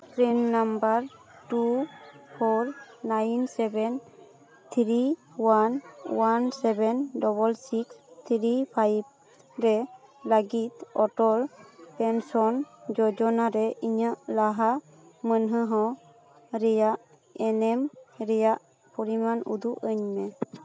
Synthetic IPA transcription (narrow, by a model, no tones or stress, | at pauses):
pɾimːambaɾʈupʰɔɾnajnsɛbɛn | t̪ʰɾiwanwansɛbɛndɔbɔlsikst̪ʰɾipʰajb̚ | ɾɛ | ləɡit̪̚ɔʈɔlpɛnsɔnd͡ʒɔd͡ʒɔnaɾɛʔiɲaʔlaɦa | mənɦəɦɔ̃ | ɾɛjaʔ | ɛnɛmɾɛjaʔ | pɔɾimanṵd̪uʔəɲmɛ